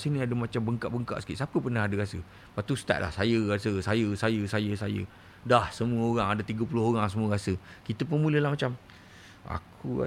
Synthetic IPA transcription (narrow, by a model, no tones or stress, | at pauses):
sinĩadəmat͡ʃambəŋka̰ʔbəŋka̰ʔsə̥kḭʔsapəpənahɦadəɣasə | pat̪ust̪a̰ʔ̚lʔa̰hsajəɣasəsajəsajəsajəsajə̰ | dahsəmũəoɾaŋadat̪iɡəpulʊhoɾaŋs̬əmuəɣasəkit̪əp̬unmũləlahmat͡ʃam | a̰kʰua̰